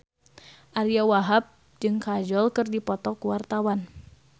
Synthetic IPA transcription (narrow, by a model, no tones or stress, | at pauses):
ʔaɾiawaɦap̚ | d͡ʒɨŋkad͡ʒɔlkɨrdipɔt̪ɔkuwart̪awan